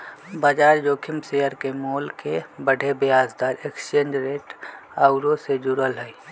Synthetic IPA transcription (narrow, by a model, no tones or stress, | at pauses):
baːd͡ʒaːɾd͡ʒoːkʰɪmsejəɾkemoːlkebəɽʱebɪjaːsd̪aːɾekst͡ʃẽːnd͡ʒɾeːʈaʊɾõsed͡ʒuɾəlɦɛi